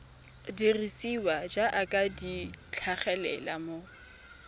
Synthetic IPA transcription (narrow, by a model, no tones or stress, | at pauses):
dirisiwad͡ʒaʔakʼadit͡ɬʰaχɛlɛ̰lamo